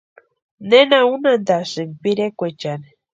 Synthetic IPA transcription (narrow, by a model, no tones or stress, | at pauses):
nenaunand̪asɨŋpiɾekʷet͡ʃane